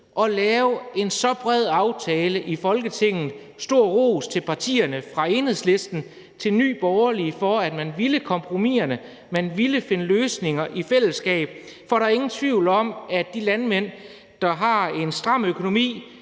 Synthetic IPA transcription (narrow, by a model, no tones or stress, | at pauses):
ʔɒ̽lɛːʊe̝nsɒ̽b̥ʁɛð̞̰ˠɑ̈ʊt͡sʰɛːləʔifɒ̽lɡ̥ət͡sʰe̝ŋ̰n̩ˠ | sd̥o̝ɐ̰ʁo̰ːst͡sʰe̝lpʰɑ̈t͡sʰḭːɐnəfʁɑ̈e̝ːnhe̝ð̰ˠsle̝sd̥n̩ | t͡sʰe̝lny̰ːb̥ɒʊɐlifɒ̽æd̥mænʋiləkʰɒ̽mpʰʁo̝mḭɐnə | mænʋiləfe̝nəløːsne̝ŋɐʔifel̰əsɡ̥ɛ̰ːb̥ | fɒɾɑ̈æɐe̝ŋn̩t͡sʰʋiʊ̰lɒ̽mæd̥ilænmen̰ | d̥ɑ̈ɦɑ̈e̝nsd̥ʁɑ̈m̰økʰo̝no̝mḭː